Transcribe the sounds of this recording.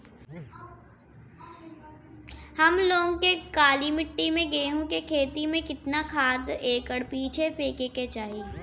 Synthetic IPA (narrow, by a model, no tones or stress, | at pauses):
hɐmloːŋkekaːlimɪʈːimẽɡeːɦũkekʰeːt̪imẽkɪt̪nakʰaːd̪eːkəɽpiːt͡ʃʰepeːkeːket͡ʃaːɦiː